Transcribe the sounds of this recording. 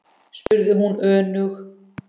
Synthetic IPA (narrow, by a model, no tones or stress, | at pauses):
spʏɾðɪɦunœːnʏx